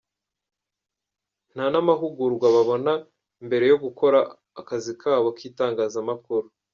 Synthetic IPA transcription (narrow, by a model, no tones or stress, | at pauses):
n̥hanamaɦuɡuɾɡwaβaβo̞na | imbe̞ɾe̞jo̞ɡuko̞ɾaː | kazikʰaːβokiːtaːŋɡaːzamakuɾu